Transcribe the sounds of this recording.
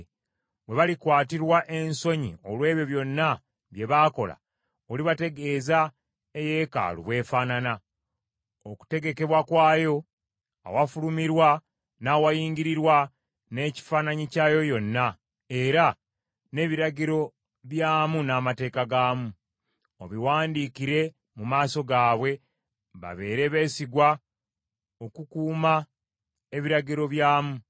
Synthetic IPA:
βe̞βalikwaːtiɾwaʔe̞nso̞ɲḭo̞lwe̞ːβjo̞βjo̞nːa | βje̞βaːko̞̰la̰ | oliβate̞ɡe̞ːza | eje̞ka̰ːlṵβwe̞ːfaːnana | oku̥te̞ɡe̞ke̞βwakwaːjo̞ | a̰wafulumiɾwa | naːwajiːŋɟiɾiɾwa | ne̞ːci̥faːnaɲicaːjo̞jo̞nːa | e̞ɾa | ne̞ːβiɾaɟiɾo̞ | βjaːmunaːmate̞ːkaɡaːmu | oβiwaːndiːkiɾe̞ | mumaːso̞ɡaːβwe̞ | βa̰βe̞ːɾe̞βe̞ːsiɡwa | o̞kukuːma | e̞βiɾaɟiɾo̞βjaːmu

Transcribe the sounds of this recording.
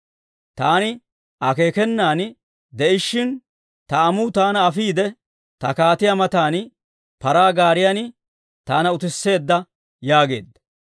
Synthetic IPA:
t̪aːnɪ | ʔɐke̞ːkɛnːaːn | d̪ɛʔɪʃːɪn | t̪ɐɐmut̪aːnɐːfiːd̪ɛ | t̪ɐkaːt̪ɪjɐmɐt̪aːn | pɐɾaːɡaːɾɪjanɪ | t̪aːnɐʊt̪ɪsːe̞ːd̪ːɐ | jaːɡe̞̰ːd̪ːɐ̥

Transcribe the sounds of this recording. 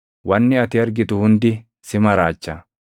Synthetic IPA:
wɐnːɪɐt̪ɪɐɾɡɪt̪ʊhʊnd̪ɪ | sɪmɐɾaːt͡ʃːɐ

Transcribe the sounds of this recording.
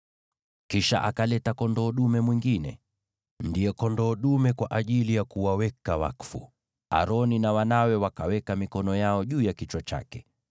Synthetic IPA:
kiʃa̰ʔakalɛtakɔndɔːɗumɛmwiŋɡinɛ̰ | ndiɛkɔndɔːɗumɛkwaʔaʄilijakuwawɛkawa̰kfṵ | a̰ɾɔninawanawɛwakawɛkamikɔnɔjaɔʄuːjakit͡ʃwat͡ʃa̰kɛ̥

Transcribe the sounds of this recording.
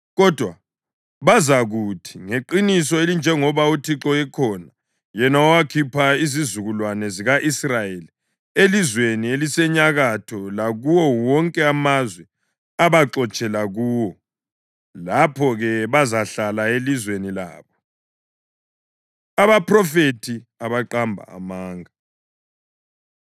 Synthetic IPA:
ɣɔd̥ʱwa | βazaɣutʰiŋeǃinis̬ɔelind͡ʒʱɛŋɔβautʰiǁɔɛkʰɔna | jɛnaɔwakʰipʰaizizuɣulwanɛziɣaʔisrajeli | elizwenielisɛɲaɣatʰɔlaɣuwɔwɔŋkʼɛamazwɛ | aβaǁɔt͡ʃʼɛlaɣuːwɔ | lapʰɔɣɛβazaɬalaelizwenila̰ːβɔ | aβaprɔfetʰiaβaǃambʱa̰ːmaːŋa

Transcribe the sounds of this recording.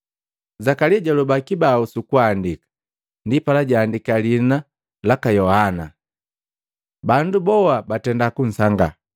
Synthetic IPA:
zakaliaɟalubakibausukuandikḁ | ndipalaɟaːndikalina | lakajɔhana̰ | bandubɔwabatɛndakun̩saŋɡa̰

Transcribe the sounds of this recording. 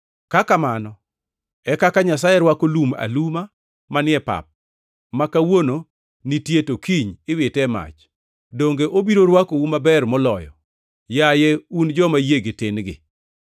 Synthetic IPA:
kakamanɔ | ɛkakaɲasajɛɾwakoluma̰luma | manɪɛpa̰p̚ | makawono | nitjetokiɲɪwɪtɛma̰t͡ʃ | doŋɡeʔobiɾoɾwakowumabɛrmɔlɔjɔ̰ | jajeund͡ʒɔmajeɡetɪnɡɪ̰

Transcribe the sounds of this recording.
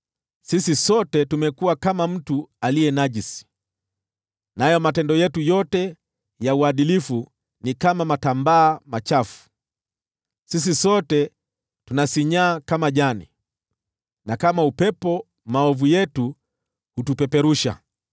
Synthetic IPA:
sisisɔtɛtumɛkuwakamam̩tualijɛnaʄisi̥ | najɔmatɛndɔjɛtujɔtɛ | jauaɗilifu | nikamamatambaːmat͡ʃafu̥ | sis̬isɔtɛ | tunasiɲaːkamaʄanḭ | nakamaupɛpɔ | maɔvujɛtu | hutupɛpɛɾuʃa̰

